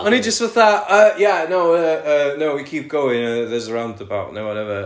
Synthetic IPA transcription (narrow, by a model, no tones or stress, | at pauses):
ə̃nid͡ʒʌstwəððaʔəjænoʊəənoʊwikʰiˑp̚ɡ̥oʊɪ̃ŋəðəzəɹãʊ̃nd̪ðəbaʊʔnowɔɾɛvə